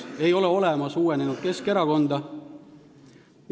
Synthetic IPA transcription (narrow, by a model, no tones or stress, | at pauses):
e̞jo̞leo̞leɛmɑsuːwenenud̪̥̚ke̞ske̞ɾɑko̞nd̪̥ɑ | m